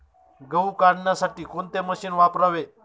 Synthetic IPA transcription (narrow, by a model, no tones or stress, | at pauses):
ɡəwkaɽɳjasaʈiːkont̪eməɕiːnʋapɾaʋe